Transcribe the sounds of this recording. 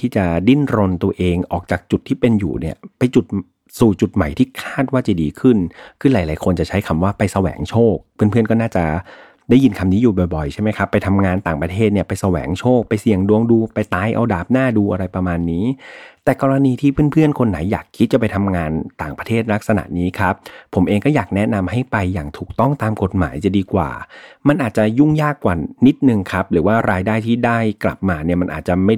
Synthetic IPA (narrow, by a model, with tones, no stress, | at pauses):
t̪ʰiː˥˩t͡ɕa˨˩di˥˩nɾo˧nt̪u˧ɐʔeː˧ŋʔɔː˨˩k̚t͡ɕaː˨˩k̚t͡ɕu˨˩t̪ʰːiː˥˩pe˧njṵː˨˩ni˥˩ɐpa˧jt͡ɕu˨˩t̪̚ | suː˨˩t͡ɕu˨˩t̪̚ma˨˩jt̪ʰiː˥˩kʰaː˥˩t̪̚waː˥˩t͡ɕa˨˩diː˧kʰɯ˥˩nkʰɯː˧laː˨˩˦jlaː˨˦jkʰo˧nt͡ɕa˨˩t͡ɕʰa˦˥jkʰa˧mwaː˥˩pa˧jsa˧wɛ̰ː˩˦ŋt͡ɕʰoː˥˩k̚pʰɯ˥˩ənpʰɯ˥˩ənkɔː˥˩naː˥˩t͡ɕa˨˩ | da˥˩ji˧nkʰa˧mniː˦˥juː˨˩bɔ˨˩jbɔ˨˩jt͡ɕʰa˥˩ma˦jkʰa˦˥pːa˧jt̪ʰa˧mŋaː˧nt̪aː˨˩ŋpɾa˧t̪ʰeː˥˩t̪̚ni˥˩ɐpa˧jsa˧wɛ̰ː˩˦ŋt͡ɕʰoː˥˩k̚pa˧jsi˨˩əŋdu˧əŋduː˧pa˧jt̪aː˧jʔa̰˧wdaː˨˩p̚naː˥˩duː˧ʔa˧ɾa˧jpɾa˧maː˧nːiː˦˥t̪ɛː˨˩kɔː˧ɾa˧niː˧t̪ʰiː˥˩pʰɯ˥˩npʰɯ˥˩ənkʰo˧nːa̰˩˦jːaː˨˩kʰːi˦˥t̪̚t͡ɕa˨˩p̬a˧jt̪ʰa˧mŋaː˧nt̪aː˨˩ŋpɾa˧t̪ʰeː˥˩t̪̚la˦˥k̚sa˧na̰˨˩ʔniː˦˥kʰa˦˥p̚ʰːo˩˦mʔeː˧ŋkɔː˥˩jaː˨˩k̚nɛ˦˥na˧mha˥˩jpa˧jːa̰ː˨˩ŋt̪ʰuː˨˩k̚t̪ɔ˥˩ŋt̪aː˧mko˨˩t̪̚ma̰ː˩˦jt͡ɕa˨˩diː˧kwa̰ː˨˩ma˧nʔaː˨˩t̪̚t͡ɕa˨˩ju˥˩ŋjaː˥˩kːwaː˨˩ni˦˥t̪̚nɯ˨˧ŋkʰa˦˥p̚ɾɯː˩˦waː˥˩ɾaː˧jdaː˥˩jt̪ʰiː˥˩daː˥˩jkla̰˨˩p̚maː˧ni˥˩ɐma˧nʔa̰ː˨˩t̪̚t͡ɕa˨˩ma˥˩